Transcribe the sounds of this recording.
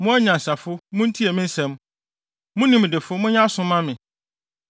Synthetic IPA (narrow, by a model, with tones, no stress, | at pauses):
mʊ̃˦æ˦ɲã˨n̩˨sa˨fʊ˦mʊ̃˦n̩˦tʰi˦ɛ˨mɪ̃˦n̩˦sɛ̃˦m | mʊ̃˦nĩ˦m˨dɪ˨fʊ˦mʊ̃˦ɲã˦sʊ̃˦mã˦mɪ̃˨